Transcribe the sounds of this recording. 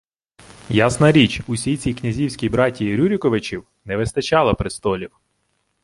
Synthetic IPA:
jasnɐɾʲit͡ʃusʲijt͡sʲijknʲɐzʲiwsʲkʲijbɾɑtʲːiɾʲuɾʲɪkɔʋɪt͡ʃʲiw | nɛʋɪst̪ɐt͡ʃɑlˠɐpɾɪst̪ɔlʲiw

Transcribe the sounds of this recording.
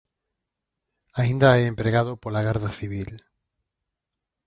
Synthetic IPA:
aĩnd̪aeempɾeɣað̞opolaɣ̞aɾðaθiβil

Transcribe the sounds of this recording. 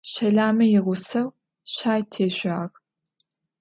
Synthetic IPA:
ɕɐɮaːmɐjɪʁʷʊsɐw | ɕaːjtʰeːɕʷaːʁ

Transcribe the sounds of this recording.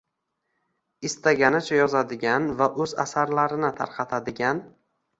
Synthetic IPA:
ɪst̪aɡʲanɪt͡ʃʰajɒzad̪ɪɡʲanvaʔɵza̰saɾlaɾɪnɪt̪ʰa̰ɾqʰɑt̪ʰad̪ɪɡʲan

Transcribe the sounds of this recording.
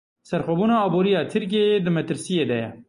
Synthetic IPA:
sɐɾxobunaːbuːɾijat̪ʰiɾk̬ed̪əmɐt̪ɾsijed̪ɐja

